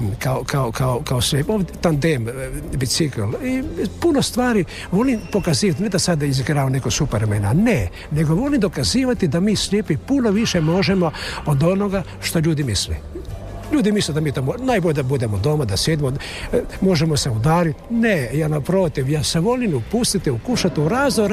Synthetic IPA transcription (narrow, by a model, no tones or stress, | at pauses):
kaokaokaokaosʋeot̪and̪embisiklipuno̞st̪ʋaːɾi | ʋo̞limpo̞kaziːʋat̪ned̪asad̪iziɡɾaːʋane̞koɡsupeɾmenane | ne̞ɡoʋo̞limd̪o̞kaziːʋat̪id̪amiːsʎʲjepipunoʋiʃemo̞ʒemo̞od̪o̞noɡa | ʃt̪o̞ʎuːd̪imislḛ | ʎuːd̪imisled̪amiːt̪omonajboʎed̪abud̪emod̪o̞mad̪asjed̪imo | mo̞ʒemoseud̪aːɾit̪nejanapɾoːt̪iʋjaːseʋo̞limupust̪it̪iukuʃat̪iuɾaːzd̪oɾ